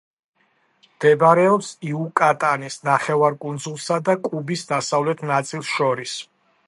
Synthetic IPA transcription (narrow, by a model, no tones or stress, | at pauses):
md̪̥ɛbɾɛɔpsiukʼat̪ʼanisnaχɛvaɾkʼund̪zulˠsad̪akʼubisd̪asavlɛt̪ʰnat̪sʼilˠsʃɔɾis